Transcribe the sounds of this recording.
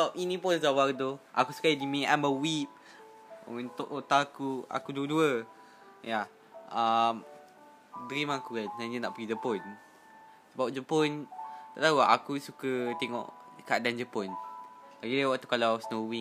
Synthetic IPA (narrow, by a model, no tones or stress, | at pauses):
səbap̚inĩpʊnsawardoʔa̰kusu̥kadimeʔaməwip̚ | o̰ɛ̃nt̪oʔot̪akua̰kuduəduə | ja | əm | dɾimakukansaɲəna̰ʔpəɡid͡ʒəpɔn | səbap̚d͡ʒəpɔnt̪aʔt̪auaakusukət̪eŋɔ̰ʔkəadand͡ʒəpɔnbaɡidəwaʔt̪ukalawsnowik